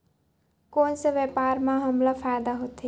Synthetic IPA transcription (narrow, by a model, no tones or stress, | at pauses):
koːnseʋepaːɾmãɦəmlafʰajd̪aɦot̪e